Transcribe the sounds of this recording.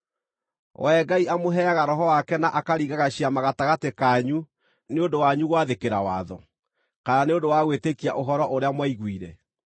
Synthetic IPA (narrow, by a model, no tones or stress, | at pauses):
wʔɛɡaiamoɦɛaɣaɾɔɦɔwakɛnaʔakaɾiɣaɣaɕiamaɣataɣatekaɲu | neondowaɲuɣwaðekeɾawa̰ðɔ | kananeodowaɣwetekiaʔoɦɔɾɔʔoɾeamwaiɣwiɾɛ